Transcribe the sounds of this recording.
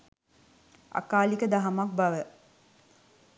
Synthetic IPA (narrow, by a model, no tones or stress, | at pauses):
a̰kaːlikəd̪aɦamak̚bɐʋə